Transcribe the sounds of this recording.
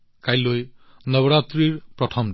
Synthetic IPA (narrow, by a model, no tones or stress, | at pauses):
kajlojnʌβɔɾat̪ɾiɹpɹɔtʰɔm